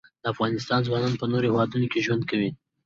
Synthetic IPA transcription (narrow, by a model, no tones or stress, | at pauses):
d̪̥əafɣɑnɪst̪ɑnzwɑnɑnpənoɾohewɑd̪unokeʒwand̪̚kawi